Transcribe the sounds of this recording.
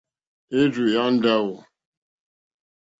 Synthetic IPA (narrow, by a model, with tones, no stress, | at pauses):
e˦d͡ʒu˨ja˦n̩˦da˦wɔ˨